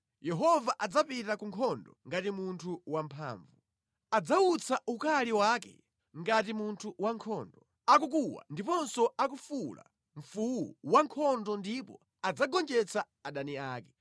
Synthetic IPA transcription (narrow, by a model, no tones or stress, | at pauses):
jɛɦɔvaʔad͡zapitakuŋkʰɔndɔ̰ŋɡatimuntʰuwampʰa̰ːɱvu | ad͡zaut͡sʰaʔukaliwakɛ̰ | ŋɡatimuntʰuwaŋkʰɔndɔ | ak̬uk̬uwa̰ndipɔnsɔak̬ufula̰ | ɱ̩fuwṵwaŋkʰɔndɔndipɔ̰ | ad͡zaɡɔnd͡ʒɛt͡sʰa | aɗaniaːkɛ̥